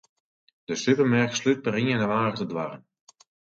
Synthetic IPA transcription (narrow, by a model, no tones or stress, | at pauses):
d̥əsypəmarkslyt̚pəɾiŋɛnəʋaːɣətədʋarən